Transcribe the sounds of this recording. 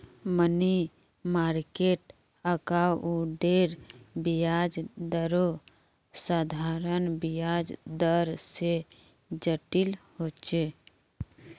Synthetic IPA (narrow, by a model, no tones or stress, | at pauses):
məni | maːɾkeːʈ | əkaːwuɖeːɾbijaːd͡ʒd̪əɾo | sad̪ʱaːɾənbijaːd͡ʒd̪əɾse | d͡ʒəʈɪlhoːt͡ʃeː